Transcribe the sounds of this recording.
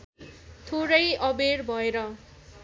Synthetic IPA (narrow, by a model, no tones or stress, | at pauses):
t̪ʰoɾʌjʌberbʱʌeɾʌ